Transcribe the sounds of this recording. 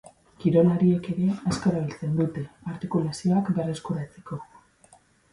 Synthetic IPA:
kiɾo̞laɾie̞ke̞ɾe̞asko̞e̞ɾaβ̞ilt͡se̞nd̪ut̪e̞aɾt̪ikulasio̞akbe̞re̞skuɾat͡se̥ko̞

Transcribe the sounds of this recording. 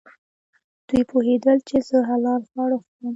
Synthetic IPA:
d̪̥ujpʰoɦed̪əlt͡ʃezəɦalɑlɣwɑɽəxəm

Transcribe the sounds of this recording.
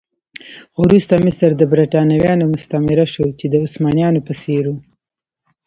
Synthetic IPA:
ɣʊɾust̪amisaɾd̪əbɾaʈɑnawjɑnomʊst̪amɪɾaʃot͡ʃed̪əʊsmɑnjɑnopəseɾu

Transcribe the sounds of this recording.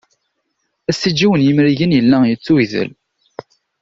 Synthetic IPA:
æsːid͡ʒːiwənjəmɾiʝənjəlːæjət͡sːuiðə̰l

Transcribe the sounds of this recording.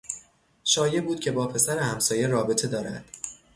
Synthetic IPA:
ʃɒːje̞buːd̪̥̚cʰe̞bɒːpʰe̞sæɾehæmsɒːje̞rɒːbe̞t̪ʰe̞d̪ɒːɾæ̰d̪̥

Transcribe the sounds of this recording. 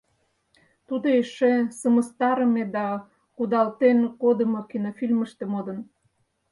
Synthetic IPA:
t̪ud̪oeʃesəməst̪ɑɾə̆med̪ɑ | kud̪ɑlt̪enkod̪ə̆mokinofilmə̆ʃt̪emod̪ə̆n

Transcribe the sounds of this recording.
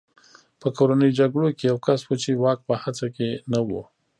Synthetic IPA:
pəkoɾanəjd͡ʒaɡɽokejawkaswət͡ʃewɑk̚pəhat͡sakenawo

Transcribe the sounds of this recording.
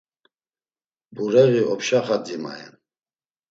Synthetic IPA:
buɾɛɣiɔpʃaχad̪ima̰ɛ̰n

